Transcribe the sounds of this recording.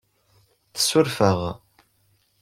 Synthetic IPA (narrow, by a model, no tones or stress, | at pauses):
θə̥sʊɾfəʁ